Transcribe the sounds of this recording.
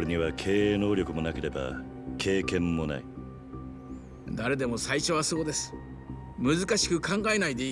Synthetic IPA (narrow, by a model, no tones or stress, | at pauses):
ɾeɲ̟iβakʰe̞ːno̞ːɾʲjo̞kɯ̟mo̞nake̞ɾe̞ba̰ | kʰe̞ːkẽ̞mːo̞na̰i | d̪aɾe̞d̪e̞mo̞saiɕo̞βaso̞ːd̪e̞sɨ̥ | mɯ̟zɨkaɕi̥kɯ̟kãŋɡae̞naid̪e̞i